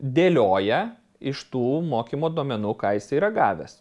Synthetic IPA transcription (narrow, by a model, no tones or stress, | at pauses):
d̪ʲeːlʲoːjɛ | ɪʃt̪uːmoːkʲimoːd̪uɔmʲɛnuːkɑːjɪsɐiːɾɐɡɑːʋʲɛs